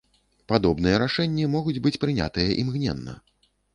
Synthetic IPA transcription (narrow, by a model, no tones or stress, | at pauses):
pad̪ɔbn̪ɨjɐɾaʂɛnʲːimɔɣud͡zʲbɨt͡sʲpɾɨnʲa̰t̪ɨjɐʔimɣnʲɛ̰nːɐ̰